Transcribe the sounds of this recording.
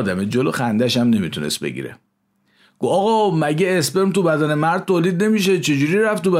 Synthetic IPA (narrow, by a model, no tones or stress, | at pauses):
d̪æmed͡ʒolo̰xænd̪æʃæmne̞mit̪ʰunesbḛɡḭɾḛ | ɡ̥oɒɣɒmæɟeːspeɾmt̪ubæd̪ænemæɾd̪̚t̪ʰoːliːd̪ne̞miʃet͡ʃʰed͡ʒuɾiːɾæft̪ubæ